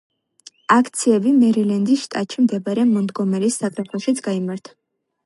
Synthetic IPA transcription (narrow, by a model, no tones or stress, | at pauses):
akʰt̪sʰiɛbimɛɾilɛnd̪isʃt̪ʼat̪ʃʰimd̪ɛbaɾɛmɔmd̪ɡɔmɛlisːakʼɾɛpʰɛʃit̪sʰɡ̥aimaɾt̪ʰḁ